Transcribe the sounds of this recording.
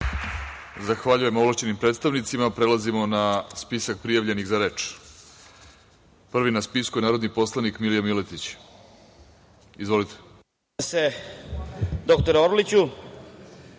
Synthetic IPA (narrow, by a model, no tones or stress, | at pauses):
zaxʋaʎuje̞mo̞vlˠaʃt͡ɕe̞nimpɾet̪st̪aʋnit̪simapɾe̞lˠazimo̞naspisak̚pɾijaʋʎe̞niɣzaɾe̞ːt͡ʃ | pr̩ʋinaspiskuje̞naːɾo̞d̪nipo̞slˠanikmilijamilet̪it͡ɕ | izʋo̞lit̪e̥ | se | d̪ok̚t̪oɾoɾlit͡ɕu